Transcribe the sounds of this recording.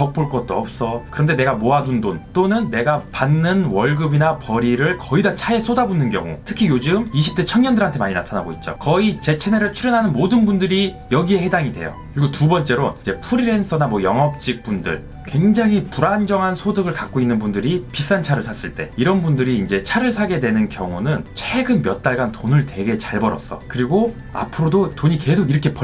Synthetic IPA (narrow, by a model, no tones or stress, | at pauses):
t͡ɕʌk̚p͈oɭk͈ʌt̚t͈oʌp̚s͈ʌkɯɾʌnde̞ne̞ɡamoadundont͈onɯnːe̞ɡapanːɯnwʌɭɡɯbinapʌɾiɾɯɭkʌidat͡ɕʰae̞s͈ʰodabunɯnɡjʌ̰ŋṵtʰɯ̥kʰijod͡ʑɯmiɕʰi̥p̚t͈et͡ɕʰʌŋɲjʌndɯɾɦantʰe̞maɲinatʰanaɡo̰it̚t͡ɕ͈o̰kʌit͡ɕe̞t͡ɕʰe̞neɾɯɭt͡ɕʰuɾjʌnɦanɯnmodɯnbundɯɾi | jʌɡie̞he̞daŋidwe̞̰jo̰kɯɾiɡotubʌnt͡ɕ͈e̞ɾoid͡ʑe̞pʰuɾiɾe̞nsʰʌnamwʌjʌŋʌp̚t͡ɕ͈ik̚p͈undɯ̰ɭ | kwe̞ŋd͡ʑaŋɦipuɾand͡ʑʌŋɦansʰodɯɡɯɭkak̚k͈oinːɯnbundɯɾipis͈ant͡ɕʰaɾɯɭsʰas͈ɯɭt͈e̞̰iɾʌnbundɯɾiːnd͡ʑe̞t͡ɕʰaɾɯɭsʰaɡe̞dwe̞nɯnkjʌŋunɯnt͡ɕʰeɡɯnmjʌt̚t͈aɭɡantonɯɭtwe̞ɡe̞t͡ɕaɭbʌɾʌ̰s͈ʌkɯɾiɡo | a̰pʰɯɾodotoɲike̞sʰoɡiɾʌkʰe̞pʌ